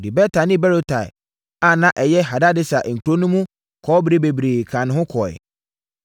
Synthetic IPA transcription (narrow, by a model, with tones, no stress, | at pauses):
di˨bɛ˦tʰa˨nɪ̃˦bɛ˦ɾo˦tʰa˨ɪ̰˨ | a˨nã˦ʔɛ˨jɛ˦ɦa˨da˦dɪ˦sa̰˨ʔŋ̩˨kʰu˨ɾo˦nũ˦mũ˦ | kʰɔː˨˦bɾi˦be˨bɾeː˨kʰã˨nʊ̃˨ɦʊ̃˦kʰɔ˨ɛ̰˨